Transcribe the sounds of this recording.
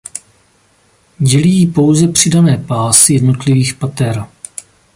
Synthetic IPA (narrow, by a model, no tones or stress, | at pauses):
ɟɛlijiːpo̞wzɛpr̝̥ɪdanɛːpaːsɪjɛdno̞t̪lɪviːxpat̪ɛɾa